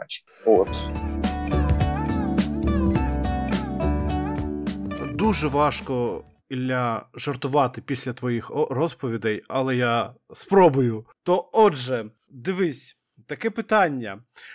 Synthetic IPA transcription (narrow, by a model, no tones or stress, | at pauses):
t͡ʃ | ot̪ | d̪uʒɛʋɑʃkɔ | ilʲːaʒɐrt̪ʊʋɑt̪ɪpʲisʲlʲɐt̪ʋɔjixrɔspɔʋʲid̪ɛjɐlˠɛjaspɾɔbʊjʊt̪ɔɔdʒɛ | d̪ɪʋɪsʲ | t̪ɐkɛpɪt̪ɑnʲːɐ